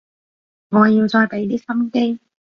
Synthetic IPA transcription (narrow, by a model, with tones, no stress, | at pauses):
ŋɔː˨˧˦jiː˧wt͡ʃɔː˧jpe˨˥jt̪iː˥ksɐ˥mke˥j